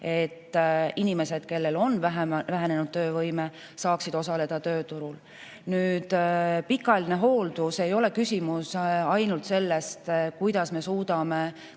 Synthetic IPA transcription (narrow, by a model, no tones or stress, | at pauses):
e̞t̪ːinime̞se̞d̪̥̚ke̞lːe̞lo̞nvæɦvæɦene̞nud̥̪̚t̪ø̞ːvɤjme̞ | sɑːksid̪̥o̞sɑle̞d̪̥ɑt̪ø̞ːt̪uɾul | nyːd̪̥pikːˑɑline̞ɦo̞ːld̪use̞jo̞le̞kysʲimusɑjnult̪se̞lːe̞st̪kujd̪̥ɑsme̞suːd̪̥ɑme̞